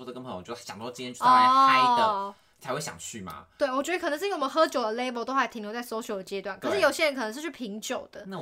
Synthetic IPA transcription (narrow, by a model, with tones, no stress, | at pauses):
u˧˩ə˩kə˥ŋpʰə˧˦jjɕj̰p̪ʰɛ˥ɔ˥˧˥a˥˩ə˨˩ | a˧˥ɪxwe˥˩ɕjɑ̰˨˩ŋt͡ɕʰy˥˨˩ma̰˩t̪we˥˩ɪwɔ˨˩t͡ɕɥɛ˧˥d̪ə˧k̪ʰə˧˦ʂ̩˥˩˥ə˧˦xɤ˧˥t͡ɕjo˨˩ʊd̪ə˩le˥bo˧ʊt̪o˥ʊxɪt̪ʰi˨˩ŋljʊt͡sa˥˩so˧˥ʊt͡ɕjo˨ʊd̪ə˩t͡ɕjɛ˧˥t̪wa˥˩nkʰə˨˩ʂɻ̩˥˩jo˨˩ʊɕjɛ˥ɻə˧˦nkʰɤ˨˩nə˧˦ʂ̬̩˥˧t͡ɕʰy˥˩pʰi˧˥ŋt͡ɕjo˨˩ʊd̪̥ə˦na˥˩